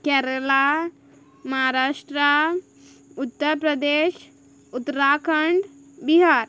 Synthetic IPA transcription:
kɛɾəla | mɐɦaɾaːʃʈɾa | ut̪ːəɾpɾɐd̪eːʃ | ut̪ːɾaːkʰəɳɖ | biɦaːɾ

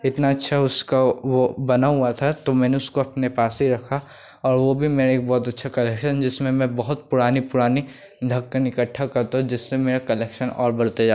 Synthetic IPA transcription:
ɪt̪naɐtːʃʰaʊskaʋobɐnaɦʊat̪ʰat̪omɛ̃ːneʊskoɐpnepaːsɦiɾɐkʰa | ɔːɾʋobʱimeːɾaeːk̚bɔːt̪ɐtːʃʰakɐlɛːkʃənd͡ʒɪsmẽmɛ̃bɐɦʊt̪̚pʊɾaːnipʊɾaːni | d̪ʱɐkːənɪkəʈʰːakɐɾt̪ãd͡ʒɪsːemeːɾakɐleːkʃənɔ̰ːɾbɐɽt̪ed͡ʒaː

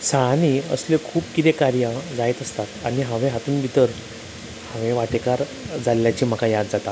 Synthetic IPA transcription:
saniə̰slekʰuːpkit̪ekaɾjad͡zajt̪əst̪at̪añiɦãʋeɦat̪uːnbʱit̪əɾ | hãʋẽʋaʈekaɾ | d͡zalːjat͡ɕiːm̤əkajad̪d͡zat̪a

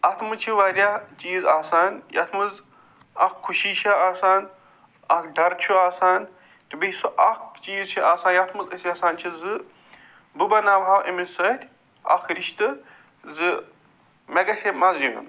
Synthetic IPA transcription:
ɐt̪ʰmɨt͡ʃʰiʋaːɾʲaːt͡ʃiːzaːsaːnjɐ̰t̪ʰmɨz | ɐkʰːuʃiːʃʰɐaːsaːn | ɐkɖɐɾt͡ʃʰuaːsaːn | t̪ibisɨʔɐkt͡ʃiːzt͡ʃʰiaːsaːnjɐt̪ʰmɨzɐsiɐsaːnt͡ʃʰizɨ | bɨbɐnaːbʱaːwʔimisɐt̪ʲ | ɐ̰kʰɾiʃt̪ɨ | zɨ | mɛɡɐsʲemɐzju

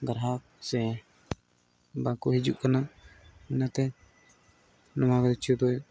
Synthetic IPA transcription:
ɡəɾɦak | sɛ | bakuɦid͡ʒuʔkanaʔɛnat̪ɛ | nɔmakd̪it͡ʃʰud̪ɔj

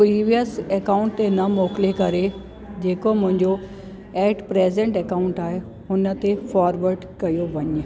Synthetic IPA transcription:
pɾiːʋijəsɛkaːʊɳʈt̪enɐmɔːklekɐɾe | d͡ʑeːkomʊ̃ɦɪ̃ɲd͡ʑo | ɛːʈpɾeːzẽɳʈɛkaːʊ̃ɳʈaːɦe | ɦʊnə̆t̪efaːɾʋəɾɖkɐjoʋɐɲ

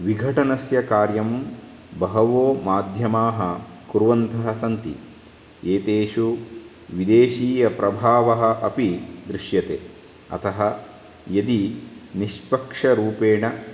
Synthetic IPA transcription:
ʋiɡʱɐʈɐnɐsjɐkaːɾjɐm | bɐɦɐʋoːmaːd̪ʱjɐmaːɦɐ | kuɾʋɐnt̪ɐɦɐsɐnt̪ḭ | eːt̪eːʂu | ʋid̪eːʃiːjɐpɾɐbʱaːʋɐɦɐ̆ʔɐpid̪ɾiʃjɐt̪eː | ɐ̰t̪ʰɐɦɐ | jɐd̪iniʃpɐkʂɐɾuːpeːɳɐ

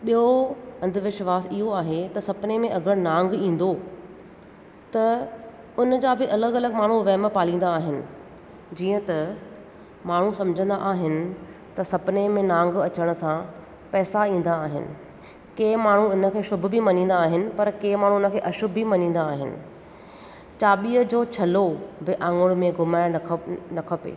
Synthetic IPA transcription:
ɓijoɐ̃nd̪ʱʋɪʃʋaːsɪɦoaːɦet̪ɐsɐbɪnemẽʔɐɡʱəɽ̃nãːŋɡĩːn̆d̪o | t̪ɐ | ʊnəd͡ʑaːbɪʔɐləɡɐləɡmaːɳ̤uʋɛːməpaːlĩːnd̪aːɦɪnɪ̆ | d͡ʑiːə̃t̪ɐ | maːɳ̤usɐ̃md͡ʑʱə̃nd̪a̰ʔaːɦɪnɪ̆ | t̪ɐsɐbɪnemẽnãːŋɡɐt͡ɕəɽ̃ʊ̆sã | pɛːsaĩːn̆d̪aːɦɪ̰nɪ̰̆ | keːmaːɳ̤ũɪnə̆kʰeːʃʊbʱbimɐɲĩːnd̪aːɦɪnɪ̆pɐɾkeːmaːɳ̤̃unə̆kʰeːʔɐʃʊbʱimɐɲĩːn̆d̪aːɦɪnɪ̰̆ | t͡ɕaːɓiːəd͡ʑoːt͡ɕʰɐlobɪʔãːŋɡʊɽ̃mẽɡʊmaːɪnɐkʰəpḛː

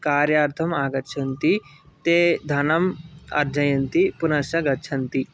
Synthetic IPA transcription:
kaːɾjaːɾt̪ʰɐmaːɡɐʃʰɐnt̪it̪ed̪ʱanɐmɐ̰ɾd͡ʒɐjɐnt̪ipunɐʃɐɡɐtːt͡ʃʰɐnt̪i

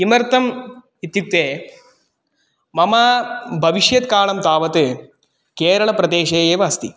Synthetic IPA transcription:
imɐɾt̪ɐm | it̪juk̚t̪ːeː | mɐmaːbʱɐʋiʃjɐt̪kaːɭɐmt̪aːʋɐt̪ɨ | keːɾɐɭɐpɾɐd̪eːʃeːjeːʋɐːst̪i

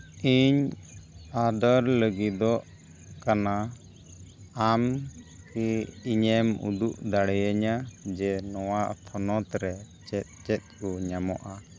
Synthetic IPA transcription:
iɲ | ad̪ɔɾləɡid̪ɔʔ | kana | m | kiiɲɛmṵd̪uʔd̪aɽɛjəɲad͡ʒɛnɔwaʔpʰɔnɔt̪ɾɛ | t͡ʃɛt̪̚ˀt͡ʃɛt̪̚kɔɲamɔ̰ʔa

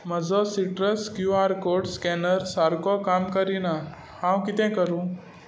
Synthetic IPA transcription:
məd͡zɔsiʈɾəskjuaɾkoɽskɛnəɾsaɾkɔkamkəɾina | hãwkit̪ɛ̃kəɾũ

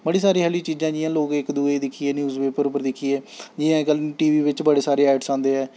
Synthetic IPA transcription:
bəɽiːsaːɾiːɦɛːliːt͡ʃiːzãːd͡ʒɪjãːloːɡɪkd̪uːed̪ɪkʰːieːnjuːzʋeːpəɾʊpəɾd̪ɪkʰːiːeːd͡ʒɪãːkəlʈiːʋiːʋɪt͡ʃbəɽeːsaːɾeːɛːʈsãːnd̪eːɛː

